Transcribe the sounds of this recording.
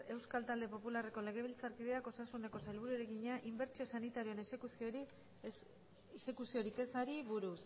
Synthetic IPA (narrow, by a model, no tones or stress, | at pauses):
e̞wskalt̪ald̪e̞po̞pulare̞ko̞le̞ɣ̞e̞β̞ilt͡saɾkiðeako̞sasune̞ko̞sajlβuɾueɾeɣiɲaʔimbe̞ɾt͡sio̞sanit̪aɾio̞enesekusoɾi | ese̞kusio̞ɾike̞saɾiβuɾus